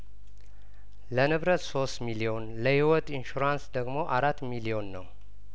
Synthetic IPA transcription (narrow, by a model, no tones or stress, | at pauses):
lənɨβɾət̪so̞st̪milio̞nləhiwɔt̪ʼinʃuɾansd̪əɡmo̞ʔaɾat̪ːmilio̞nːəw